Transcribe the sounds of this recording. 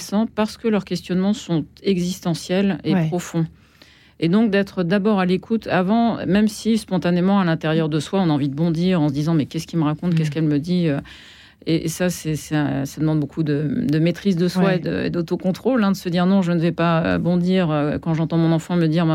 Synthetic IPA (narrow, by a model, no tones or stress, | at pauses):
sɑ̃paʁsə̥kəlœʁkʲɛst̪jɔnmɑ̃sɔ̃t̪ɛɡzist̪ɑ̃sjɛlepχɔfɔ̃ | ed̪ɔ̃k̚d̪ɛt̪χəd̪abɔʁalekʰut̪ʰavɑ̰̃mɛmsispɔ̃t̪anemɑ̃alɛ̃t̪eʁjœʁd̪əswaɔ̃naɑ̃vid̪əbɔ̃d̪iʁɑ̃səd̪izɑ̃mɛkʲɛskʲiməʁakɔ̃t̪kʲɛskɛlməd̪iø | eʔesasɛsɛɛ̰̃sad̪əmɑ̃d̪bokud̪əd̪əmet̪χizd̪əswwaed̪ə̰ḛd̪ot̪okɔ̃t̪χolɛ̃d̪əsəd̪iʁnɔ̃ʒənəvɛpaø̰bɔ̃d̪iʁøkɑ̃ʒɑ̃t̪ɑ̃mɔ̃nɑ̃fɑ̃məd̪iʁma